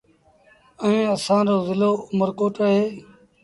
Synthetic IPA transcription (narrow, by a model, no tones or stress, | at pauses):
əẽːəsãːɾoːzɪloːʊməɾkoːʈəɦeː